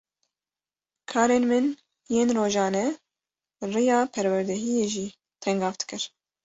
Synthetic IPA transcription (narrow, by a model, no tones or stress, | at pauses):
kʰɑːɾeːnmɨn | jeːnroːʒɑːnɛ | rɨjɑːpʰɛɾwɛɾd̪ɛɦijeːʒiː | t̪ʰɛŋɡɑːft̪kɨɾ